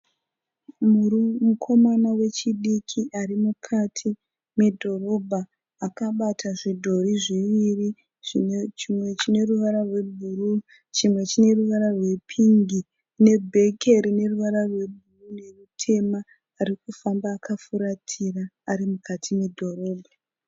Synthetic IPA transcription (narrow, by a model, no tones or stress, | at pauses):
mukʰo̞manawe̞t͡ʃiɗikʰiʔaɾimukʰatʰi | me̞dʱo̞ɾo̞bʱaː | kaɓatʰaʐidʱo̞ɾiʐiʋiri | ʐit͡ʃimwe̞t͡ʃine̞ruʋaɾarwe̞bʱuɾu | t͡ʃimwe̞t͡ʃine̞ruʋaɾarwe̞pʰiŋɡi | ne̞bʱe̞kʰe̞ɾine̞ruʋaɾarwe̞bʱurune̞mutʰe̞maː | ɾik̚ufambaːkafuɾatʰiraːɾimukatʰime̞dʱo̞ɾo̞ːbʱa